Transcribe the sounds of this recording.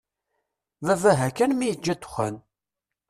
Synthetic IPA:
vævæɦækːænmijəd͡ʒːæd̪ʊ̥xæ̰n

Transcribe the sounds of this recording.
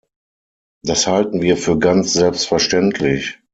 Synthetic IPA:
d̥ashaltn̩viːɐfyːɐɡant͡sz̥ɛlpstfɛɐʃtɛntʰlɪç

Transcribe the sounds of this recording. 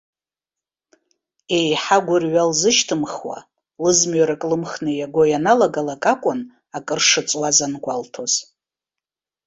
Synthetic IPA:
e̞jħaɡʷʊrɥalzɨʃtʰɨmχwa̰ | lɨzmɥaɾakʼlɨmχnɨjaɡʷo̞janalaɡalakʼakʷʼʊn | akʼɨrʂɨt͡sʼwazanɡʷaltʰo̞z̥

